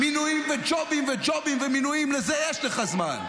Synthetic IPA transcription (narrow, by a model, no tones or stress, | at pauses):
minuĩmved͡ʒɔbĩmved͡ʒɔbĩmveminuĩmlɐzeɛʃlɐχɐzman